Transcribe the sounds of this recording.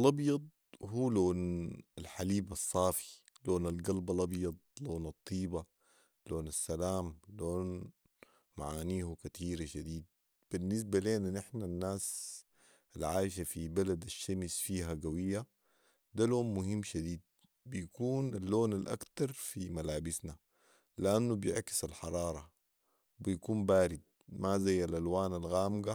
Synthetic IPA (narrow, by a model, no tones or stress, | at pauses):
lʔɑbjɑd̪̚ˤhuːloːnalħaliːbɑsˤːɑːfi̥ | loːnalɡalbɑlʔɑbjɑd̪̚ˤloːnɑt̪ˤːiːba | loːnasːalaːmloːn | maʕaːniːhukat̪ʰiːɾaʃad̪iːd̪̚ | b̥inːɪs̬baleːnanʔɪħnanːaːs | alʕaːjʃ̬afibalad̪aʃːamsfiːɦaɡawijːa | d̪aloːnmʊhimːʃad̪iːd̪̚ | bijkuːnalːoːnalʔa̰kt̪ɑɾˤfimalaːbisna | lɪʔanːubjɪʕki̥salħɑɾˤɑːɾˤɑ | bijkuːmbaːɾid̪̚mazajːalʔalwaːnalɣaːmɡa